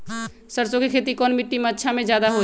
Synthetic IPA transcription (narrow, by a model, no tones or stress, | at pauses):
səɾsokekʰet̪ikɔnmiʈːimeətːʃʰamed͡ʒjad̪aɦo